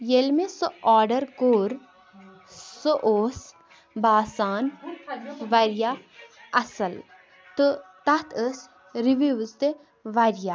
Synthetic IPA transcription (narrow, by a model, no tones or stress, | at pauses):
jelmesɨaːɖɐɾkoːɾ | soʔoːs | baːsaːn | ʋɐɾijaɐsɐl | t̪ɨt̪ɐt̪ʰəs | ɾiʋiʋzt̪e | ʋaɾja